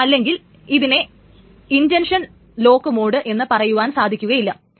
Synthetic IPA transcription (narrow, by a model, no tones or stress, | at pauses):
ɐlːe̞ŋɡil | iðine̞ | indenʂɐn | lo̞ːkːɐmoːɽɨʔe̞nːɨpɐrɐjuʋaːnsaːd̪ʱikʲːuɣɐjilːɐ